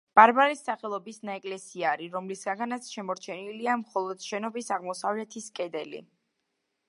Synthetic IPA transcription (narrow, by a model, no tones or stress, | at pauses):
b̥aɾbaɾisːaχɛlˠɔbisnaɛkʼlɛsiaːɾiɾɔmlisɡaɡanat̪sʰʃɛmɔɾt͡ʃʰɛniliamχɔlˠɔd̪̥ʃɛnɔbisaʁmɔsavlɛt̪ʰiskʼɛd̪ɛlḭ